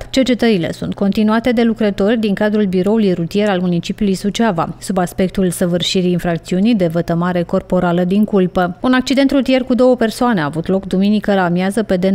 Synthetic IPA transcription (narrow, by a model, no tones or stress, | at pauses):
t͡ʃe̞rt͡ʃe̞t̪əɾile̞̰sunt̪̚ko̞nt̪inuat̪e̞d̪e̞lukɾət̪o̞rʲd̪iŋkad̪ɾulbiɾo̞ulujrut̪ije̞ɾalmunit͡ʃipʲiulujsut͡ʃava̰subaspe̞k̚t̪ulsəvɨrʃiɾiːnfɾak̚t̪siunijd̪e̞vət̪əmaɾe̞ko̞rpo̞ɾaləd̪iŋkulpəunak̚t͡ʃid̪e̞nt̪rut̪ije̞rkud̪o̞wəpe̞rsoane̞aːvut̪lo̞kd̪uminikəlamjazəpe̞d̪e